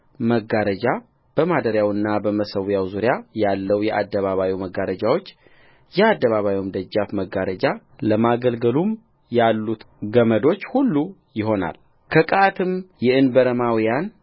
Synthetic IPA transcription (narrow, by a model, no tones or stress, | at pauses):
məɡaɾəd͡ʒa | b̥əmad̪əɾjawɨnːabəməsəwjawzuɾjajalːəwjɛʔad̪ːəβaβawiwməɡaɾəd͡ʒawo̞t͡ʃː | jɛad̪ːəβaβawiwmd̪əd͡ʒːafməɡaɾəd͡ʒa | ləmaɡəlɡəlum | jalːut̪ | ɡəməd̪o̞t͡ʃːhulːu | jɪɦo̞na̰l | kʰəkʼaat̪ʰɨmjɛʔɨnbəɾəmawijan